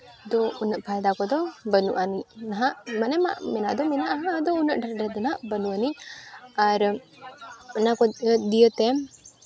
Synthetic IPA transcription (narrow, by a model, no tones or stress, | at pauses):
d̪ɔunəʔpʰajd̪akɔd̪ɔbənṵʔaninaɦaʔmanɛma̰ʔmɛnaʔd̪ɔmɛnaʔaɦãd̪ɔunəʔɖəɖɛd̪ɔnɦaʔbənuʔani | aɾ | nakɔd̪ijət̪ɛ